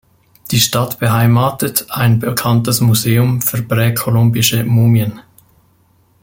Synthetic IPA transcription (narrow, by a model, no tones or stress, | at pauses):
d̥iːʃtatb̥əɦaɪmaːtətaɪnbəkʰantəsmuzeːʊmfyːɐpʁɛːkʰɔlʊmbɪʃəmuːmjən